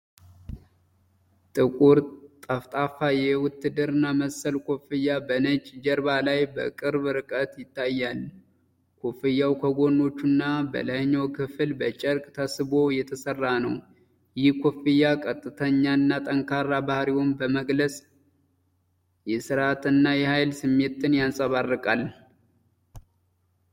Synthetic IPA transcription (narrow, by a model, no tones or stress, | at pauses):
t̪ʼɨkʼuɾt̪ʼəft̪ʼafajɛwʊt̪ːɨd̪ɨɾɨnːaməsəlkʰofɨjːabənət͡ʃʼd͡ʒəɾbalajbə̰kʼɨɾbɾɨkʼət̪jɪt̪ʰːajːal | kʰofɨjːawkʰəɡo̞nːo̞t͡ʃːunːabə̰lajɲːowkʰɨfɨlbət͡ʃʼəɾkʼt̪ʰasɨbo̞jɛt̪ʰəsərːanəw | jɪhkʰofɨjːakʼət̪ʼːɨt̪ʰəɲːanːat̪ʼəŋkʰarabahɾiwombəməɡləsʼ | jɛsɨɾat̪ʰɨnːajɛhajlsɨmːe̞t̪ːɨnjansʼəβarːɨkʼal